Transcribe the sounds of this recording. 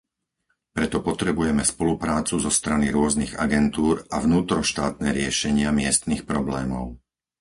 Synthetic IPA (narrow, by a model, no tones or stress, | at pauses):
pɾɛt̪ɔpɔt̪ɾɛbujɛmɛspɔlupɾaːt͡suzɔst̪ɾaniɾʊɔzniɣa̰ɡɛnt̪uːɾavnuːt̪ɾɔʃt̪aːt̪̚nɛɾɪɛʃɛɲɪamɪɛst̪nixpɾɔblɛːmɔ̰ʊ